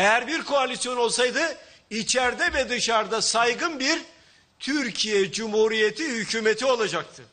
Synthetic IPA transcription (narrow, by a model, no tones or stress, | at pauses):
ejæɾbiɾkʰo̞alʲisjo̞no̞lˠsajd̪ɯ | it͡ʃʰɛɾd̪ɛvɛd̪ɯʃaɾd̪asajɡɯnbiɾ | t̪ʰyɾcʰijɛd͡ʒumhuɾijet̪ʰihycʰuːmet̪ʰio̞lˠad͡ʒak̚t̪ʰɯ